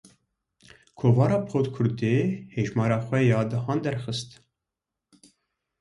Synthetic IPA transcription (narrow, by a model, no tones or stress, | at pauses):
kʰoːvɑːɾɑːpʰoːt̪kʰʊɾd̪eːheːʒmɑːɾɑːxʷɛjɑːd̪ɨɦɑːnd̪ɛɾxɨst̪